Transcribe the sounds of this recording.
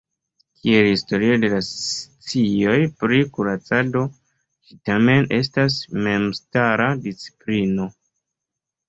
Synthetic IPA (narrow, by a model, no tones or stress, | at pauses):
kʰie̞lhisto̞ɾio̞de̞last͡sio̞jpɾikuɾat͡sado̞ | t͡ʃi̥tame̞ne̞s̬tas̬me̞mstaɾadit͡si̥plino̞